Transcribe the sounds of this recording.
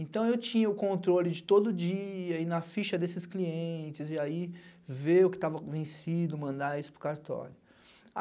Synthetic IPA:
ẽnt̪ɐ̃w̃ewt͡ʃĩɲɐʊkõnt̪ɾolɪd͡ʒɪt̪od̪ʊd͡ʒiɐinɐfiʃɐd̪esɪskliẽt͡ʃɪziaiveʊkɪ̥t̪avɐkvẽsid̪ʊmɐ̃nd̪aisʊ̥pɾʊkaɾt̪ɔ̰lʊ

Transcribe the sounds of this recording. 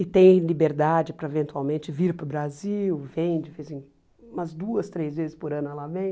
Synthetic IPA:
ɪt̪ẽj̃libeɾd̪ad͡ʒɪpɾɐevẽnt̪uawmẽnt͡ʃɪviɾpɾʊbɾaziwvẽd͡ʒɪfisĩ | mɐzd̪uɐst̪ɾejzvezɪspʊɾɐ̃nʊɛlavẽj̃

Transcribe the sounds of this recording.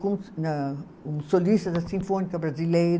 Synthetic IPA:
kũnɐ | ũsolist̪ɐd̪ɐsĩfonikɐbɾazilejɾ

